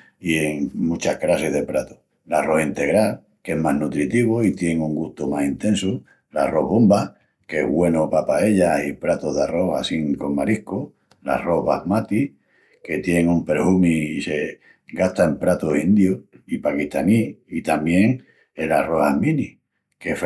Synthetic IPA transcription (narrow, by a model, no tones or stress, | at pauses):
ieŋmũt͡ʃahkɾaseɦðe̞pɾat̪o̥ | laro̞hint̪e̞ɣɾal | kee̞maɦnut̪ɾit̪iβoit̪je̞ŋuŋɡuht̪omasint̪e̞nsu | laro̞ɦβo̞mba | kḛɦβwe̞nopapae̞ʎahipɾat̪oðaro̞hasiŋko̞ŋmaɾihko | la̰ro̞ɦβahmat̪i | ke̞t̪je̞ŋumpe̞ɾhumiːse̞ | ɡaht̪aempɾat̪osind̪joipakiht̪aniit̪amje̞ŋ | elaro̞ha̰mĩni | kef